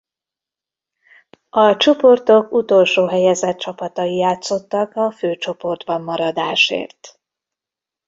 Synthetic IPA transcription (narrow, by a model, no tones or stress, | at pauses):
ɒt͡ʃo̞po̞rt̪o̞kut̪o̞lʃoːɦɛjɛzɛt̪t͡ʃɒpɒt̪ɒjijaːt̪so̞t̪ːɒkɒføːt͡ʃo̞po̞rd̪bɒmːɒɾɒd̪aːʃḛːrt̪